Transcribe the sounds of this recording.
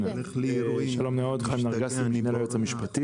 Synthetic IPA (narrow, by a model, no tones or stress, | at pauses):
ʃalomneod̪χamnaʁɡasiminelajot͡shamiʃpat̪i